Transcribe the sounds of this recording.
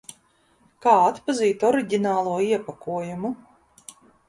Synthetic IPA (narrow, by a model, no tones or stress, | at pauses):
kaːat̪paziːt̪ɔɾiɟʲinaːlˠuɔiɛpakuɔjumu